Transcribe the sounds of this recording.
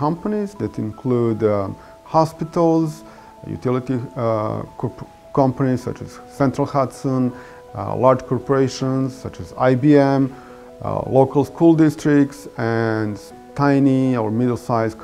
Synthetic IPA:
kʌ̃mpənizðɨtɪ̃nkʰlud | hɑspɪtəl̩ˠz | jṵtʰɪlˠɪti | kʰɔ | kʰʌ̃mpənizsʌ̰t͡ʃɨ̰z̥ | sɛ̃ntɹəlˠhatsə̃n̰ | laɹd͡ʒkʰɔɹpəɹeɪʃə̃nz̥sʌt͡ʃɨza̰ɪbiɛ̃m̰ | loʊkəlˠskʰulˠdɪstɹɪk̚tsɨ̃n | tʰãɪniə˞mɪdl̩ˠsaɪz̥k

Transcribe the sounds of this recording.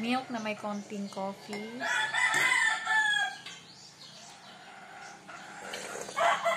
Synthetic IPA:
miək̚namajkɔːnt̪iəŋkɔːki

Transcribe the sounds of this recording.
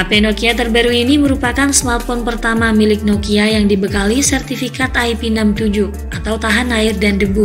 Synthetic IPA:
apenokiat̪ərbaɾuiniməɾupakansmart̪̚fɔnpərt̪amamilɪk̚nokiajaŋdibəkalisɛrt̪ifikat̪ajpinamt̪ud͡ʒu | at̪awt̪aɦanaɪrdandəbu

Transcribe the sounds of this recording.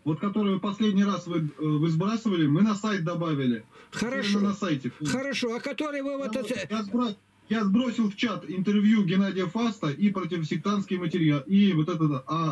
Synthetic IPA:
vo̞t̪kɐt̪o̞ɾɨjvɨpɐsʲlʲedʲnʲɪjrasvɨvɨzbɾasɨvəlʲɪmɨnɐsajt̪̚d̪ɐbavʲɪlʲɪxəɾɐʂmɨnɐsajtʲɪxəɾɐʂoɐkɐt̪oɾɨjvɨvt̪ɛjazbɾo | jazbɾo̞sʲɪlˠft͡ɕat̪ɪnt̪ɨrvʲjuɡʲɪnadʲɪjəfast̪əʔipɾətʲɪvəsʲɪk̚t̪anskʲɪjmətʲɪɾʲjalˠivot̪ɛt̪̬ət̪a

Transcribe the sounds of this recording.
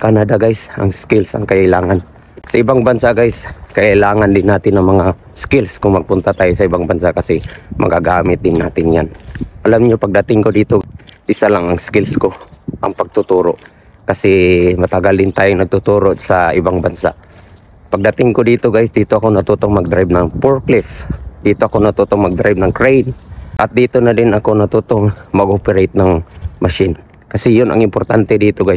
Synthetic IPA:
kanad̪aɡajsɐ̰ŋskɪlsɐ̰ŋkɐʔɪlaːŋan | sɐɪbaŋbansaɡajskɐʔɪlaːŋand̪ɪnːaːt̪ɪnɐŋmɐŋa | skɪlskʊŋmɐɡ̚pʊnt̪at̪aːjʊsɐɪbaŋbansakɐsɛmɐ̰ɡaɡaːmɪt̪̚d̪ɪnːaːt̪ɪnjanʔɐlamɲopɐɡ̚d̪ɐt̪ɪŋkod̪iːt̪oʔɪsalaŋɐŋskɪlskoʔɐ̰ŋpɐɡ̚t̪ʊt̪uːɾoʔ | kɐsɛmɐt̪ɐɡald̪ɪnt̪aːjoŋnɐɡ̚t̪ʊt̪uːɾoʔsaʔɪbaŋbansa̰ʔ | pɐɡ̚d̪at̪ɪŋkod̪iːt̪oɡajsd̪iːt̪oɐkonɐt̪ut̪oŋmɐɡ̚d̪ɾajb̚nɐŋpoɹklɪfd̪̥iːt̪oʔɐkonɐt̪ut̪oŋmɐɡ̚d̪ɾajb̚nɐŋkɹejnʔɐt̪̚d̪iːt̪onadɪnɐkonɐt̪ut̪oŋmɐɡʔopɛɾejt̪̚nɐŋmɐʃɪn | kɐsɛjʊnɐ̰ŋɪmpoɾt̪ant̪ɛd̪iːt̪oɡaj

